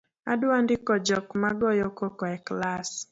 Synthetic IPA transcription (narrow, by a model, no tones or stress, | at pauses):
adʊandɪkɔd͡ʒɔkmaɡɔjɔkokɔɛklas